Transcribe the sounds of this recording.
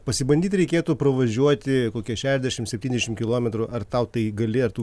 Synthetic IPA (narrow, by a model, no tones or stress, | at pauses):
pɐsʲɪbɐnʲd̪ʲiːt̪ʲɾʲɛɪkʲeːt̪upɾɐʋɐʒʲuɔt̪ʲɪkoːkʲiɛʃʲæːʃɛzd̪ʲɛʃʲɪmsʲɛp̚ʲt̪ʲinʲɛʃʲɪmkʲɪlˠoːmʲɛt̪ɾʊʔɐrt̪ɐʊt̪ɐɪɡɐlʲɪɐɾt̪uː